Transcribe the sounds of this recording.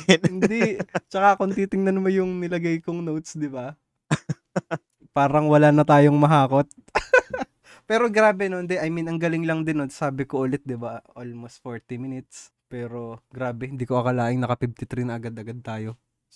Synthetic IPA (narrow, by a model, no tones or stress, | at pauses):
hɪnd̪it͡ʃɐkaʔɐko̞nɐt̪iːt̪ɪŋnɐnmojʊŋnɪlɐɡajkoŋnowt̪̚sd̪ɪba | paːɾɐŋwɐlanɐt̪aːjoŋmɐɦaːko̞t̪̚ | pɛːɾo̞ɡɾaːbɛnond̪ɛʔɐjminɐŋɡɐlɪŋlɐŋd̪ɪnot̪saːbɪkoʔʊlɛt̪̚d̪ɪbaʔolmost̪foɹt̪imɪnɪt̪s | pɛːɾo̞ɡɾaːbɛhɪnd̪iːkoʔɐkɐlaːʔɪŋnɐkɐpib̚t̪ɪt̪ɾinɐʔɐɡad̪ɐɡad̪̚t̪aːjo̞